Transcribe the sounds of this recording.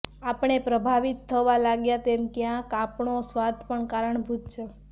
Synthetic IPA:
apəɳ̃epɾəbʱaʋit̪ʰːəʋalaɡjat̪emkjãkapɳosʋaɾt̪ʰpəɳkaɾəɳbʱut̪̚t͡ʃʰe

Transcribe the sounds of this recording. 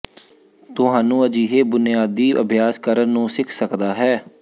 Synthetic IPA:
t̪ʊɦaːnũːəd͡ʒiːɦeːbʊnɪjaːd̪iːə̰bʱjaːskəɾənːũːsɪkʰsəkd̪aːɦɛː

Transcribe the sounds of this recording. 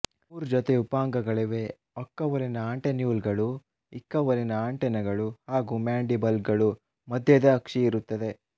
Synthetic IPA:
uɾd͡ʒɔt̪eupaːŋɡɐɡɐɭiʋe̞ː | ɐkːɐʋɐɾinɐaːɳʈenjuːlɡɐɭu | ikːɐʋɐɾinɐaːɳʈɛnɐɡɐɭuhaːɡumaːɳɖibɐlɡɐɭu | mɐd̪ʱjɐd̪ɐːkʂiiɾut̪ːɐd̪e̞

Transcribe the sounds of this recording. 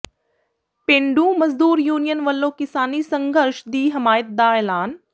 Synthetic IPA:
pẽːɳɖũmɐzd̪uːɾjuːnijənʋɐlːõːkɪsaːnisə̃ŋɡʱəɾʃd̪iːɦɐmaːjɪt̪̚d̪aːɛːlaːn

